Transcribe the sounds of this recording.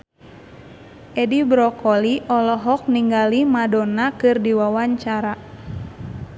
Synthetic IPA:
ʔɛdibɾɔkɔliʔɔlɔɦɔk̚niŋɡalimadɔnakɨrdiwawaɲt͡ʃaɾa

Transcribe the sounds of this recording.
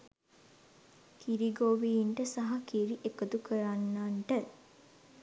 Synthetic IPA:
kiɾiɡoʋiːɳʈəsaɦɐkiɾiʔekəd̪ukəɾanːaɳʈə

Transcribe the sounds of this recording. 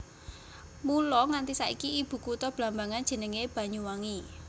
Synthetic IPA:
mulɔŋant̪isaʔḭkiib̥ṳkut̪ɔb̥lambaŋand̥ʒ̥ə̤nəŋeb̥a̤ɲuwaŋi

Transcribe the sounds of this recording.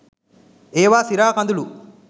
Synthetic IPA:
eːʋaːsiɾaːkɐnd̪ulu

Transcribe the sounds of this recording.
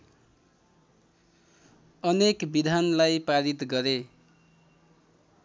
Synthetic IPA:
ʌnekbid̪ʱanlajpaɾit̪ɡʌɾe

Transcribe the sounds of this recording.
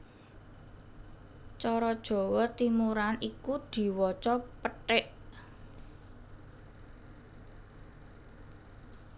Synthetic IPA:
t͡ʃɔɾɔd̥ʒ̥ɔ̤wɔt̪imuɾanikud̪̥i̤wɔt͡ʃɔpəʈɪʔ

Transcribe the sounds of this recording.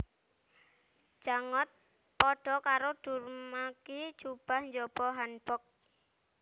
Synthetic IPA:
ʒ̥aŋɔt̪̚ | pɔɖ̥ɔ̤kaɾoɖ̥urmaki̥d͡ʒ̥ub̥ahɲd͡ʒɔb̥ɔɦanb̥ɔk̚

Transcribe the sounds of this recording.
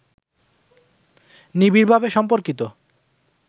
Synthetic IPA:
nibiɾbʱabeʃɔmpoɾkit̪o

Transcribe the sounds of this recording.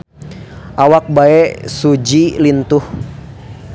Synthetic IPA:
ʔawak̚baɛsud͡ʒilint̪uh

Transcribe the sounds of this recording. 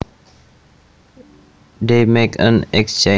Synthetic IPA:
d̪eːmekʰə̰̃nɛkst͡ʃẽ

